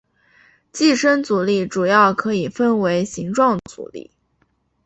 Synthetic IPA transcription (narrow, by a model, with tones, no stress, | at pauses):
t͡ɕi˥˩ʂə˥nt͡su˨˩li˥˩ʈ͡ʂu˨˩jɑ˥˩ʊkʰɤ˧˥i˨˩fə˥nwe˧˥ɪɕi˧˥ŋʈ͡ʂwɑ˥˩ŋd̪ət͡sṵ˨˩lḭ˥˩